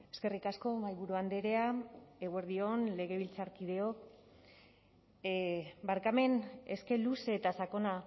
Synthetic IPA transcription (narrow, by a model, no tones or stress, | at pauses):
e̞ske̞rikasko̞majβuɾuand̪e̞ɾe̞ae̞ɣwe̞ɾðio̞nle̞ɣ̞e̞β̞ilt͡saɾkið̞e̞o̞k | baɾkame̞neske̞luseːt̪asako̞na